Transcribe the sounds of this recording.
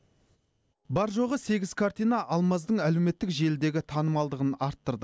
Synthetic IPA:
bɑɾʒo̞ʁəse̞ɡʲɪz̥kʰaɾt̪ijnɑʔɑlˠmɑzd̪əɴælewme̞t̪ːɪkʒe̞ld̪e̞ɡʲɪt̪ʰɑnəmɑlˠd̪əʁənɑɾt̪ːəɾd̪ə

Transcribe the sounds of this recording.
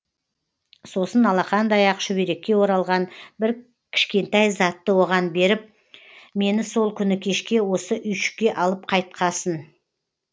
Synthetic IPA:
so̞sənɑlˠɑχɑnd̪ɑjɑqʃʏbeɾe̞kʲːe̞wo̞ɾɑlˠʁɑnbɪɾ | kʲʰɪ̥ʃkʲe̞nt̪ɑjzɑt̪ːəwo̞ʁɑnbe̞ɾɪp̚ | me̞nɪso̞lˠkʲʰʏnɪkʲʰe̞ʃkʲe̞wo̞səʔʏjʃɪ̥kʲːe̞ʔɑlˠəp̚qʰɑjt̪̚qʰɑsən

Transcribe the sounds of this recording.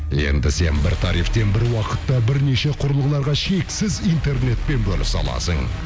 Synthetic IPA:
je̞̰nd̪ɪse̞nbɪɾt̪ʰɑɾijft̪e̞nbɪɾwɑqət̪ːɑbɪɾne̞ʃe̞qʰʊɾəlˠʁəlˠɑɾʁɑʃe̞ksɪzijnt̪e̞rne̞t̪̚pe̞nbɵlɪsɑ̰lˠɑ̰səɴ

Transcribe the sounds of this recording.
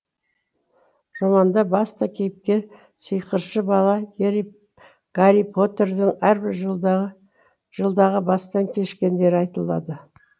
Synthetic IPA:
ʒ̥ɑmɑnd̪ɑbɑst̪ɑkʲʰe̞jɪp̚kʲe̞ | səjqəɾʃəbɑlˠɑjeɾ | ɡ̥aɾipʰo̞t̪e̞rd̪ɪŋæɾbɪɾʒ | ʒəlˠd̪ɑʁəbɑst̪ɑŋkʲʰe̞ʃkʲe̞nd̪e̞ɾɪɑjt̪əlˠɑ̰d̪ə

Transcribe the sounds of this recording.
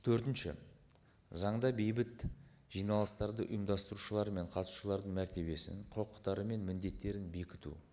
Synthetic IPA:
t̪ʰɵɾt̪ɪnʃɪ̰ | zɑɴd̪ɑbe̞jbɪt̪ | ʒ̥ijnɑlˠəst̪ɑɾd̪əʔʊ̰jəmd̪ɑst̪əɾuʃəlˠɑɾme̞ɴqʰɑt̪su̥ʃəlˠɑɾd̪əɴmæɾt̪e̞βe̞sɪ̰ɴqʰʊɾqə̥t̪ːɑɾəme̞nmɪnd̪e̞t̪ːe̞ɾɪnbe̞kʲɪ̥t̪ṵ

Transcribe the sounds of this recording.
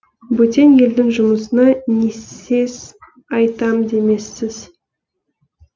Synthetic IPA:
bɵt̪ʲe̞nje̞ld̪ɪŋʒʊməsənɑne̞sez̥ | ɑjt̪ɑmd̪e̞me̞sːɪz

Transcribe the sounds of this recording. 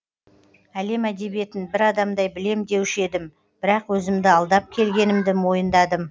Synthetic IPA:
æle̞mæd̪e̞bije̞t̪ɪnbɪɾɑd̪ɑmd̪ɑjbɪle̞md̪e̞wɪʃe̞d̪ɪm | bɪɾɑqwɵzɪmd̪ɪɑlˠd̪ɑp̚kʲʰe̞lɡʲe̞nɪmd̪ɪmo̞jənd̪ɑd̪əm

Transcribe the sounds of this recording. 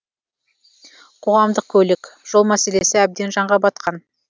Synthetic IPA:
qʰo̞ʁɑmd̪əq̚kʲʰɵlɪkʲʒ̥o̞lˠmæse̞le̞sɪæb̚d̪e̞nʒɑɴʁɑbɑt̪̚qʰɑn

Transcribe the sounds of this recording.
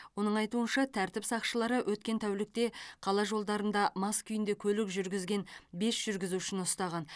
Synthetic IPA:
wo̞nəɴɑjt̪uənʃɑt̪ʰæɾt̪ɪpsɑqʃəlˠɑɾəwʔɵt̪̚kʲe̞nt̪ʰæwlɪk̚t̪e̞qʰɑlˠɑʒo̞lˠd̪ɑɾənd̪ɑmɑskʲʰʏjɪnd̪ekʲʰɵlɪkʒʏɾɡʲɪzɡʲe̞nbe̞sʒ̥ʏɾɡʲɪzuɪʃɪnʊst̪ɑʁɑn

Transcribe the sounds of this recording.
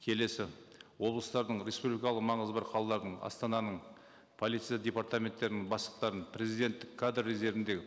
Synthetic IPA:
kʲʰe̞le̞sɪwo̞blˠəst̪ɑɾd̪əɴɾʲe̞spublʲijkɑlˠəqmɑɴəzbɑɾqʰɑlˠɑlˠɑɾd̪əɴɑ̰st̪ɑnɑnəɴ | pʰolit̪sɨjadʲe̞paɾt̪amʲe̞nt̪ːe̞ɾɪnɪŋbɑsəqt̪ɑɾənpʰrʲe̞zijd̪ʲe̞nt̪ːɪkʰːad̪rːeze̞vɪnd̪e̞ɪ

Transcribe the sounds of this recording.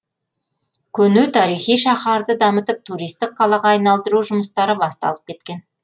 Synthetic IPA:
kʲʰɵnʉt̪ʰɑɾijχijʃɑχɑɾd̪əd̪ɑmət̪əp̚t̪ʰuɾijst̪ɪq̚qʰɑlˠɑʁɑːjnɑlˠd̪əɾuʒʊməst̪ɑɾəbɑst̪ɑ̰lˠəp̚kʲe̞t̪kʲe̞n

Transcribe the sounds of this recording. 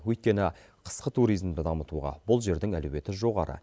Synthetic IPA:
wɵjt̪̚kʲe̞nɪqʰə̥sqət̪ʰuɾijzmd̪ɪd̪ɑmət̪uʁɑ̰bʊlˠʒe̞ɾd̪ɪŋæ̰lɵwe̞t̪ɪʒo̞ʁɑɾə̰

